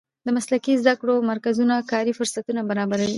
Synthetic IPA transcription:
d̪əmaslakizd̪akɽomaɾkazunakɑɾifʊɾsat̪unabaɾɑbaɾawi

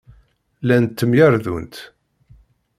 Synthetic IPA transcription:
lænt̪ːəmjaɾðṵnt̪

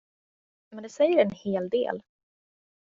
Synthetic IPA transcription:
mɛnd̪ɛsɛjːəɾɛnheːld̪ḛːl

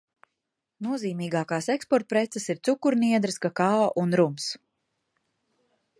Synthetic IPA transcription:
nuɔziːmiːɡaːkɑːsekspɔɾt̪̚pɾet̪sɛsiɾt̪sukuɾniɛd̪ɾɨskakaɔʔunɾums

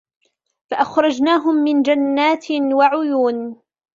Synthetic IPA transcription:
faʔaxɾˤɑd͡ʒnaːɦʊmːɪnd͡ʒanːaːt̪waʕʊjuːn

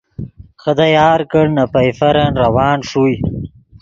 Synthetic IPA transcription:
xəd̪ajaːɾkəɽnapɐjfɐɾɐnɾɐwaːnʂuj

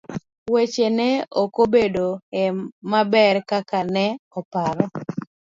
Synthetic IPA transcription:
wet͡ʃenɛokobedoɛmabɛɾkakanɛɔpaɾɔ

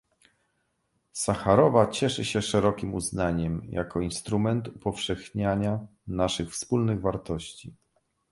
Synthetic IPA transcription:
saxaɾɔvat͡ɕɛʂɘɕɛʂɛɾɔkʲimuznaɲɛmjʔa̰kɔinst̪ɾumɛnt̪upɔfʂɛxɲaɲa | naʂɘxfspulnɘɣvaɾt̪ɔɕt͡ɕi

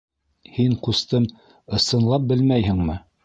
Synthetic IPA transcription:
hiɴqust̪ɤm | ɤ̆sɤ̆nlˠɑp̚bɘlmæjhɘ̆ŋmɘ

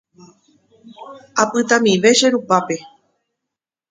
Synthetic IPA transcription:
apɨt̪ãmĩʋe̞ʃeɾupape̞

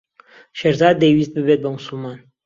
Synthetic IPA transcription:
ʃeɾzɑːd̪ːejwist̪̚bɨbet̪̚bɐmʊsulˠmɑːn

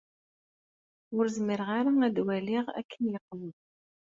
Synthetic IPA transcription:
ʊɾzəməɾʁaɾaæd̪wæliʁæ̰kʰːənjəqːlə

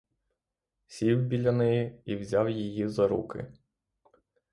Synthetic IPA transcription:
sʲiwbʲilʲɐnɪjɛiwzʲɑwjijizɐɾṵkɪ̰

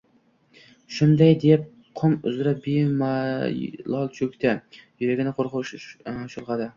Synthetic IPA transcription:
ʃʊnd̪ajd̪ep̚ | qʰʊmʊ̰zɾabima | lˠɒlˠt͡ʃʰɵkʲt̪ʰajʊɾaɡʲɪnɪqʰoɾqʊʃʃʊlˠʁɑd̪ɪ

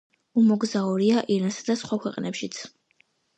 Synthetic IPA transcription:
umɔɡzauɾiaʔiɾansad̪asχwakʰwɛqʼnɛpʃit̪sʰ

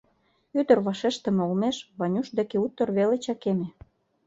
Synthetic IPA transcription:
yd̪ə̆rβɑʃeʃt̪ə̆meulmeʃβɑnʲuʃd̪ekeut̪ːə̆rβelet͡ɕɑkemĕ

